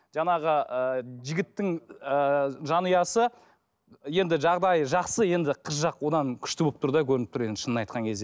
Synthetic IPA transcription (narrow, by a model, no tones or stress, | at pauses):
ʒ̥ɑɴɑʁəəʒɪɡʲɪt̪ːɪŋəʒɑnujɑsə | je̞nd̪ɪʒɑʁd̪ɑjʒɑqsəje̞nd̪ɪqʰəzʒɑqwo̞d̪ɑŋkʲʰʏ̥ʃt̪ɪbop̚t̪ʰʊɾd̪ɑkʲʰɵɾɪɪp̚t̪ʰʊɾe̞nd̪ɪʃənənɑjt̪̚qɑŋkʲʰe̞zd̪e